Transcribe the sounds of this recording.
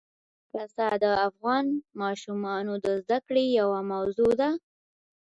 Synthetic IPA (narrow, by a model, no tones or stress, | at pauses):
fasɑd̪əafɣɑnmɑʃumɑnod̪əzd̪akɽejawamawzod̪a